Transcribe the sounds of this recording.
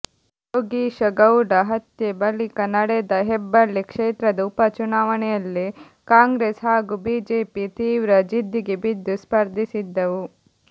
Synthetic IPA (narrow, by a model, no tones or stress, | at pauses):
oɡiːʃɐɡɐwɖɐɦɐt̪jebɐlikɐnɐɽɛd̪ɐɦɛbːɐlːikʂeːt̪ɾɐd̪ɐupɐt͡ʃunaːʋɐnɛjɐlːi | kaːŋɡɾeːsɦaːɡubiːd͡ʒeːpit̪iːʋɾɐd͡ʒid̪ːiɡebid̪ːuspɐɾd̪ʱisid̪ːɐʋu